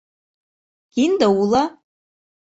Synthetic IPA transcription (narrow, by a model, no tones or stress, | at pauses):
ɡ̥ind̪awula